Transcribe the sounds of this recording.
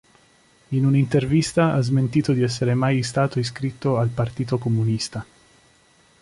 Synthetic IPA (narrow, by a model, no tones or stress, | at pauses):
inunint̪ervist̪aazment̪iːt̪od̪iɛs̬ːeɾemajst̪aːt̪ois̬kɾit̪ːoalpart̪iːt̪okomunist̪a